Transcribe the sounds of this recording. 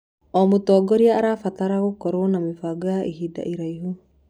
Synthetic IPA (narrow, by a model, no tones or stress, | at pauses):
omut̪oɡoɾiaːɾafat̪aɾaɣukoɾonamifaɡoaʔiɦida̰ʔiɾajɦu